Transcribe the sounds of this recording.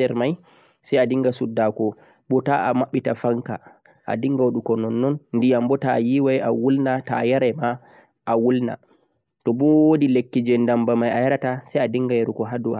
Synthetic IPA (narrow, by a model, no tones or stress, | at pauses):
ɛɾmaj | sajadiŋɡasudːakɔ | bɔtaʔamaɓːitafaŋka̰ | ʔa̰diŋɡawoɗukɔnɔnːɔnndijambɔtajiwajawulnatajaɾɛma | ʔawulna̰ | tɔbɔwodilekːid͡ʒɛndambamajajaɾatasajadiŋɡajaɾukɔɦadua